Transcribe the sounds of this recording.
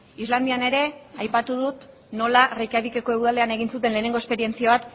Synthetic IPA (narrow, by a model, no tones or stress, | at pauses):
izland̪iane̞ɾe̞ajpat̪uðut̪ | no̞larejkaβikekoewðale̞ane̞ɣ̞insut̪e̞nle̞ːne̞ŋɡoe̞spe̞ɾie̞nt͡siaβat̪